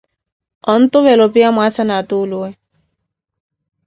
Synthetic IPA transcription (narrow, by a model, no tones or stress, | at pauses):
ɔnt̪ʊβɛlɔpiamwasanat̪uluɛ